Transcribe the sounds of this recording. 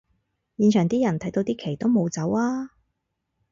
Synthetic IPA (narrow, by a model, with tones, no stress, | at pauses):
jiː˧nt͡ʃʰœː˨˩ŋt̪iː˥jɐ˨˩nt̪ʰɐ˨˥jt̪o˧wt̪iː˥kʰe˨˩jt̪o˥wmo˨˧wt͡sɐ˨˥waː˥